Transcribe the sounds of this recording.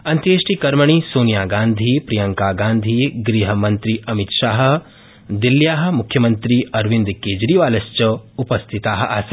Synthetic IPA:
ɐnt̪jeːʃʈiːkɐɾmɐɳ̃iːsoːnijaːɡãːnd̪ʱiːpɾijɐŋkaːɡãːnd̪ʱiːɡɾiːɦɐmɐ̃nt̪ɾiːɐmit̪ʃaːɦɐ̆ | d̪ilːjaːɦɐ̆mʊkʰjɐmɐ̃nt̪ɾiːɐɾʋĩnd̪keːd͡ʒɾiːʋaːlɐst͡ʃɐupɐst̪ʰit̪aːɦɐ̆ʔas

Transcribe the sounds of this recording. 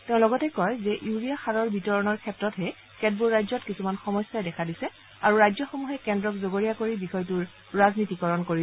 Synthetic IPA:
tɛʊ̃lɔɡɔtɛkɔjzɛʔjuɹijaxaɹɔɹbitɔɹɔnɔɹkʰɛtɹɔtɦɛ | kɛd̚buɹːajzɔtkisumanxɔmɔsːajdɛkʰadisɛ | aɹuɹajzɔxomuɦɛkɛndɹɔkzoɡoɹijakoɹibixɔjtʊɹ | ɹaznitikɔɹɔnkoɹi

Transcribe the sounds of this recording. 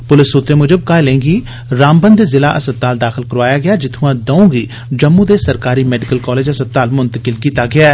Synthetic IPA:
pʊlɪsːʊt̪ɾeːmʊd͡ʒəb̚kaːelẽːɡiː | ɾaːmbənd̪eːzɪlaːʔəsət̪ːaːld̪aːxɪlkəɾʋaːjaːɡɪaːd͡ʒɪt̪ʰũːãːd̪əũːɡiː | d͡ʒəmːũːd̪eːsəɾkaːɾiːmɛːɖɪkəlkɔːleːd͡ʒəsət̪ːaːlmʊnt̪əkɪlkiːt̪aːɡɪaː

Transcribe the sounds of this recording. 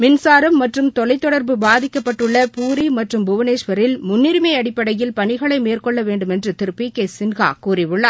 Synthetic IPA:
mɪnsaːɾɐmːɐʈrɯmt̪ɔlɐɪt̪ːɔɽɐɾbɯbaːðɪkːɐpːɐʈːɯɭːɐpuːɾimɐʈrɯmbʊʋɐneːʂʋɐɾɪlmʊnːɪɾɯmɐɪɐɽɪpːɐɽɐjɪlpɐɳɪɣɐɭɐɪmeːrkɔɭːɐʋeːɳɖɯmɛndrɯt̪ɪɾɯpːikeːsɪnɣa̰ːkuːɾɪʋɯɭːaː

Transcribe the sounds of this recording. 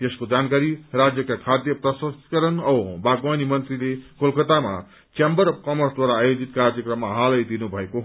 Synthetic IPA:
jeskod͡zankaɾirad͡zjʌkakʰad̪jʌprʌsʌskʌɾʌnʌbaɡwanimʌnt̪rilekolkʌt̪ama̰ | t͡sembʌɾʌbkʌmʌrsd̪waɾaːjod͡zit̪kard͡zjʌkrʌmːaɦalʌjd̪inubʱʌekoɦ

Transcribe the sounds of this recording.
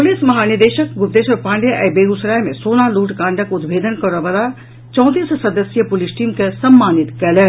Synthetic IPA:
pʊlɪsmɐɦaːnɪɾd̪eːʃəkɡʊpt̪eːsɔɾpãːɳɖjʔɐjbeːɡusɾaːjmẽsoːnaluːʈkãːɳɖəkʊd̪bʱeːd̪ʱənkɐɾobəd̪a | t͡ʃɔ̃ːt̪iːssɐd̪əsjəpʊlɪsʈiːmkesɐmːaːnɪt̪kɛleː

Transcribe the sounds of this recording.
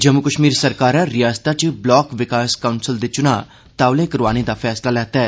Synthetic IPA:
d͡ʒəmʊkəʃmiːɾsəɾkaːɾãɾɪjaːst̪at͡ʃblɔːkʋɪkaːskaʊnsəld̪eːt͡ʃʊnaː | t̪aːʋlẽːkəɾʋaːnid̪aːpʰɛːslaːlɛːt̪aɛ

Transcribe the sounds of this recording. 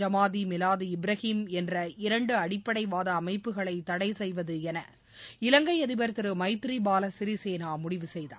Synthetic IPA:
ɐmaːðimɪlaːðiɪbɾɐhiːmɛndrɐɪɾɐɳɖɯɐɽɪpːɐɽɐɪʋaːðɐːmɐɪpːɯɣɐɭɐɪt̪ːɐɽɐɪsɛjʋɐðɯɛnɐ̰ | ɪlɐŋɡɐɪɐðɪbɐɾt̪ɯɾɯmɐɪt̪ːɾibaːlɐsɪɾiseːnaːmʊɽɪʋɯsɛjða̰ː

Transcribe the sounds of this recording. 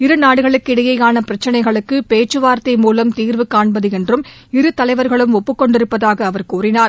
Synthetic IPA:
ɪɾɯnaːɽɯɣɐɭɯkːɪɽɐjɐɪaːnɐpɪɾɐt͡ʃːɪnɐɪɣɐɭɯkːɯpeːt͡ʃːɯʋaːɾt̪ɐɪmuːlɐmt̪iːɾʋɯkːaːɳbɐðɯɛndrɯm | ɪɾɯt̪ɐlɐɪʋɐɾɣɐɭɯmɔpːɯkːɔɳɖɪɾɯpːɐðaːɣɐːʋɐɾkuːrɪnaːɾ

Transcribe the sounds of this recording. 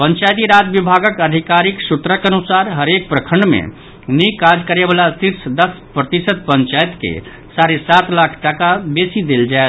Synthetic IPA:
pə̃ɲt͡ʃajt̪iɾad͡ʒ̪bibʱaɡəkəd̪ʱikaɾiksut̪ɾəkənusaɾɦəɾek̚pɾəkʰəɳɖmḛ | nikad͡ʒkəɾebalat̪iɾsd̪əs | pɾət̪isət̪̚pəɲt͡ʃajt̪kḛ | saɾesat̪lakʰʈakabesid̪eld͡ʒae

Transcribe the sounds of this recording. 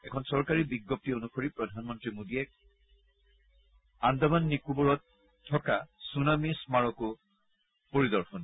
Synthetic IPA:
ɛkʰɔnsɔɹkaɹibiɡːɔp̚tionukʰoɹipɹɔdʱanmɔntɹimodiɛk̚ | andabanːikubɔɹɔtʰː | ɔkasunamismaɹɔkʊ | poɹidɔɹxʰɔn

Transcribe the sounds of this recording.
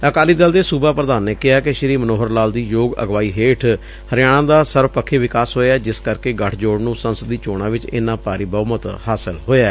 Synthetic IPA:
əkaːliːd̪əld̪eːsuːbaːpɾəd̪aːnːeːkɪɦaːkɪʃɪɾiːmənoːɦəɾlaːld̪iːjoːɡə̰ɡʋaːiːɦeːʈʰ | həɾɪjaːɽ̃ãːd̪aːsəɾbpəkʰːeːʋɪkaːsɦoːeaːd͡ʒɪskəɾkeːɡəʈʰd͡ʒoːɽnũːsənsəd̪iːt͡ʃoːɽ̃ãːʋɪt͡ʃɪ̰ːnãːpaːɾiːbəːmət̪haːsəlɦoːeaː

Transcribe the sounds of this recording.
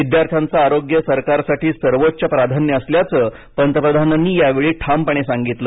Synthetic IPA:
ʋid̪jaɾt̪ʰjant͡saːɾoɡjəsəɾkaɾsaʈiːsəɾʋotːt͡ɕjapɾad̪ʱanjəəsljat͡səː | pənt̪əpɾəd̪ʱananːiːjaʋeɭiːʈʰampəɳ̃esaŋɡit̪lə

